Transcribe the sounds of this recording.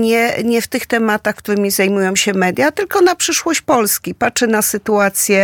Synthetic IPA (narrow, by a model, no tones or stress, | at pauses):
ɲɛɲɛft̪ɘxt̪ɛmat̪axkt̪uɾɘmʲizajmujɔ̃w̃ɕɛmɛd̪ʲjat̪ɘlkɔnapʂɘʂwɔɕt͡ɕpɔlskʲipat͡ʂɛnasɘt̪uat̪sʲjɛ